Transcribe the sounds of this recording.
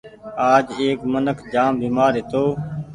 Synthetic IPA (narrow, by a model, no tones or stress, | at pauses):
aːd͡ʒeːkmənəkʰd͡ʒaːmbiːmaːɾɦɪt̪oː